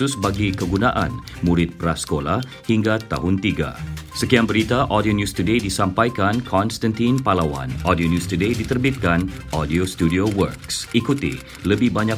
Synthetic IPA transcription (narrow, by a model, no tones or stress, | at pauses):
ʊsbaɡikəɡunaʔa̰n | muɾɪt̪̚pəɾasə̥kolah | hiŋɡat̪a̰ɦʊnt̪iɡa̰səkiaŋbəɾit̪aʔɔdionjust̪udedisampajkankʰɔnst̪ant̪inpalawa̰nɔdionjust̪udedit̪ərbit̪̚kanʔɔdiost̪udiowə̰rksikut̪ḭ | ləbɪhbaɲa